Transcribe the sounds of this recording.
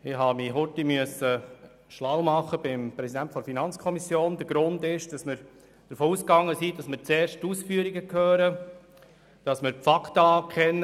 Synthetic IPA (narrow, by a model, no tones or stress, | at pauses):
ɪɦɑːmiɦʊtimyəsə | ʃlawmɑχəb̥ɪmpɾɛsidæntfɔɾfinɑnt͡skʰɔmisjoːnd̪əɾɡ̥ɾʊndɪʃd̥ɑsmɪɾ | d̥əɾfoːuːskɑŋːəsid̥ɑsməɾt͡seːɾʃtuːsfyːəɾiɡəkʰhøːɾə | d̥ɑsmɪɾfɑktɑːkʰɛnːə